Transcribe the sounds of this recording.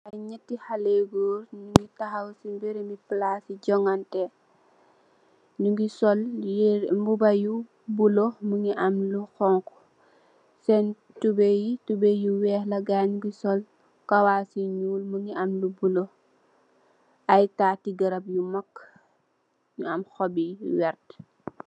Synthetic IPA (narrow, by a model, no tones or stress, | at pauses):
ʔɐjɲətːihaleɡuːɾnuŋɡitaxɐwsimbeɾemiplasiɟɔŋantɛ | nuŋɡisɔl | mbubɐju | buloməŋiʔamluxɔŋkɔ̥ | sɛn | tubejitubejuwɛːhlɐɡaɲuɡisɔl | kawaːsiɲuːlməŋiamlubulo | ʔɐjtaːtiɡɐɾɐb̚jumakː | ɲuɐmxɔbiwɛrt